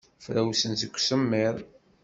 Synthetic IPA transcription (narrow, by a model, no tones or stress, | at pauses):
fɾæwsənzəkʷːsəmːɪɾˤ